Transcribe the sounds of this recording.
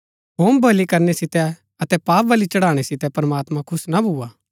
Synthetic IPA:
ɦoːmbʱɐlikɐɾnɛsɪt̪ɛ | ɐt̪ɛpaːpʋɐlit͡ʃɐɽaːɽ̃ɛsɪt̪ɛpɐɾɐmaːt̪mãkʰʊsnabʱuːaː

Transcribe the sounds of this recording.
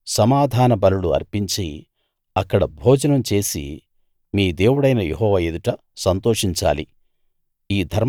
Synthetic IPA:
sɐmaːd̪ʱaːnɐbɐluluɐ̰ɾpiɲt͡ʃi | ɐkːɐɽɐbʱoːd͡ʒɐnɐmt͡ʃe̞ːsḭ | miːd̪e̞ːwuɽɐjnɐjḛɦɔːʋajed̪uʈɐ | sɐnt̪oːʂiɲt͡ʃa̰ːlḭ | iːd̪ʱɐɾ

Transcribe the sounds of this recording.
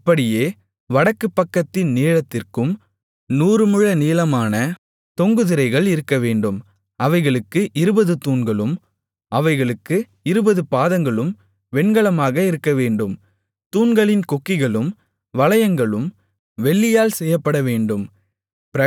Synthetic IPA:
ɪpːɐɽɪjeː | ʋɐɽɐkːɯpːɐkːɐt̪ːɪnːeːɻɐt̪ːɪrkɯm | nuːɾɯmɯɻɐniːlɐmaːnɐ | t̪ɔŋɡɯðɪɾɐɪɣɐɭɪɾɯkːɐʋeːɳɖɯm | ɐʋɐɪɣɐɭɯkːɯʔɪɾɯbɐðɯt̪uːɳɡɐɭɯm | ɐʋɐɪɣɐɭɯkːɯ | ɪɾɯbɐðɯpaːðɐŋɡɐɭɯm | ʋɛɳɡɐɭɐmaːɣɐɪɾɯkːɐʋeːɳɖɯm | t̪uːnɡɐɭɪnkɔkːɪɣɐɭɯm | ʋɐɭɐjɐŋɡɐɭɯm | ʋɛɭːɪjaːlsɛjːɐpːɐɽɐʋeːɳɖɯm | pɪɐ

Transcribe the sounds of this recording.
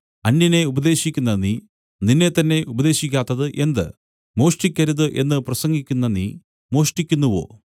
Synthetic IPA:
ɐnːjɐne̞ubɐd̪e̞ːɕikʲːunːɐni | ninːe̞t̪ːɐnːe̞ʔubɐd̪e̞ːɕikʲːaːt̪ːɐðɨʔe̞nd̪ɨ̰ | mo̞ːʂʈikʲːɐɾuðɨʔe̞nːɨprɐsɐŋɡikʲːunːɐni | mo̞ːʂʈikʲːunːuʋo̞̰ː

